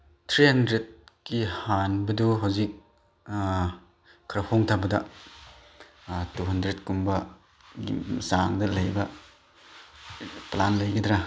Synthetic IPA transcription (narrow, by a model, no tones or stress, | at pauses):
tʰɾihɐndɾet̚kihanbɐduɦawzik̚ | kʰːaɾɐpʰoŋtʰabɐdɐ | tuɦɐndɾet̚kumbɐ | ḭsaŋdɐlɐjbɐ | planlɐjɡɐdɾa